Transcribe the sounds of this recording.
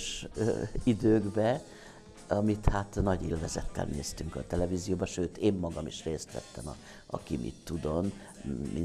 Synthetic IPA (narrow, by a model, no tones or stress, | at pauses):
ʃ | id̪øːɡbɛ | ɒmit̪haːt̪nɒɟeːlvɛzɛt̪ːɛ̰lneːst̪yŋkɒt̪ɛlɛvizijoːbɒʃøːt̪eːmːɒɡɒmiʃreːst̪ʋɛ̰t̪ːɛmɒ̰ | ɒ̰kimʔḭt̪ːud̪o̞n | mi